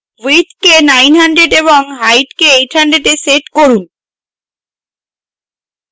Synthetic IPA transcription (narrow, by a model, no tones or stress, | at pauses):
wit̪kenajnɦaɳɖɾeɖeβoŋɦajʈkeejʈʰhaɳɖɾeɖeseʈkoɾun